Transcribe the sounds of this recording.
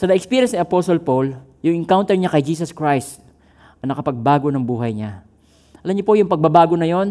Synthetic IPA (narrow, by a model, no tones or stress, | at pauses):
sɐnɐʔɛkspiːɾjɛnsniʔɐposolpol | jʊŋʔɪŋkawnt̪ɛɹɲakɐjd͡ʒiːs̬ɐskɹajst̪̚ | ɐŋnɐkɐpɐɡ̚baːɡo̞nɐŋbuːɦɐjɲa | ʔɐlɐmɲopo̞jʊŋpɐɡ̚bɐbaːɡo̞nɐjo̞n